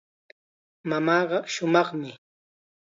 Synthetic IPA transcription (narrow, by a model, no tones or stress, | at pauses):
mamɑːɢɑʃʊmɑχmɪ